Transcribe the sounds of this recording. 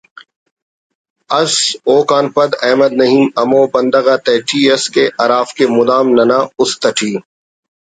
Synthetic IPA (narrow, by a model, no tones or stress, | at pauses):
ɐsoːkaːnpɐd̪ɛːməd̪̚nɐɦiːmɐmoːbɐ̃nd̪əɣaːt̪ɛːʈʰiːɐskeʔɐɾaːfkemʊd̪aːmnɐnaːʊst̪ɐʈʰiː